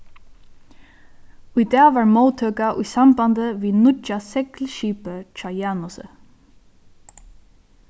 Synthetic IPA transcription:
ʊjd̪ɛːʋɑːɹmoːt̪ʰøːkaʔʊjsambɑnd̪əʋiːnʊasɛklʃiːpət͡ʃʰɑːjɑːnʊsə̰

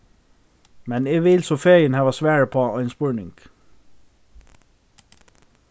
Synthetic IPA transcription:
mɛneːʋɪlsɔfejənhæːʋɑsʋæːɹəpʰoːœɪnspʉɳɪŋɡ̥

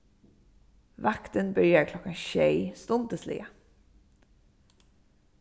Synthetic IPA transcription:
ʋɑkt̪ənbəɾjøːɾkʰlɔkɑnçœʏst̪ʊnd̪əslḭːə

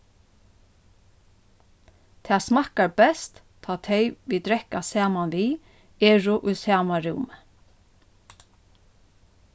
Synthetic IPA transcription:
t̪ʰɛːsmahkaɹbɛst̪ | t̪ʰːɑːt̪ʰejʋid̪ɾɛhkasæːmanʋiː | eːɹʊʔʊjsæːmaɾumə

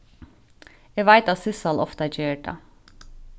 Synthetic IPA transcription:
eʋæɪt̪ɑt̪sɪsɑlʔɔft̪əæd͡ʒøːɖɑ̰

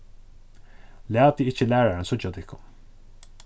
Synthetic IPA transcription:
læːt̪iɪht͡ʃɪlæːɹaɾɪnsʊt͡ʃːat̪ʰɪhkʊn

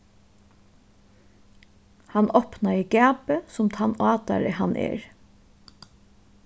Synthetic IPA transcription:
hɑnʔɔpnaiɡæːpəsʊmt̪ʰɑnɑːt̪a̰ɾəhɑnʔɛ̰ːɹ

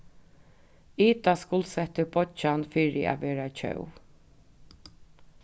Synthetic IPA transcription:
iːt̪askʊlsɛt̪əbɔt͡ʃanfiːɾɪæ̰ʋɛːɾat͡ʃʰœ̰w

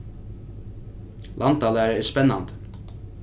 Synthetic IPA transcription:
lʔɑnt̪ɑːləæɾɛspɛnːɑnt̪

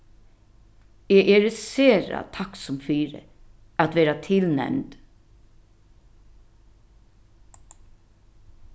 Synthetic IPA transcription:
eːʔɛːɾseːɾa̰t̪ʰaksʊmfiːɾə̰ | æt̪ʋɛːɾat̪ʰɪlnɛ̰mt̪

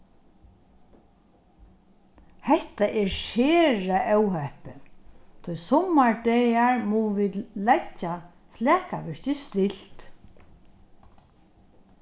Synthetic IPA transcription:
hɛht̪aʔɛɹʃɛːɹaʔœwhɛhpɪt̪ʰʊjsɔmːaɹɖɛːaɹmuʋɪːd̪lɛcːa | flɛːkaʋɪʂcɪst̪ɪl̥t̪

